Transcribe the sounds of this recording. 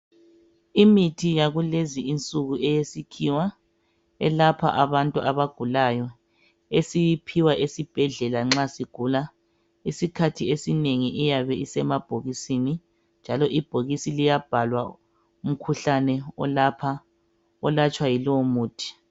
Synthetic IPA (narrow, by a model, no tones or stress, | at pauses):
imitʰijaɣuleziint͡sʼuɣuʔɛjesikʰiwa | ɛlapʰa̰ʔaβantʼuʔaβaɡ̥ʱulajɔ | esijipʰiwaʔesib̥ʱɛɮɛlaŋ͡ǁasiɡ̥ʱula | isikʰatʰiesineŋiʔijaβɛʔisɛmab̥ʱoɣisini | nd͡ʒʱalɔʔib̥ʱoɣisilijab̥ʱalwa | um̩kʰuɬanɛɔ̰lapʰa | ɔlat͡ʃʼwajilɔmuːtʰi̥